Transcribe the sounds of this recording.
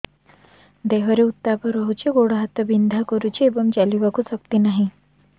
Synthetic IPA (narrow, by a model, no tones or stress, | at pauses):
d̪eʋəɾeut̪ːapəɾəɦut͡ɕeɡoɽɦat̪əbind̪ʱakəɾut͡ɕiebəmd͡ʑaliʋakusək̚t̪inaɦi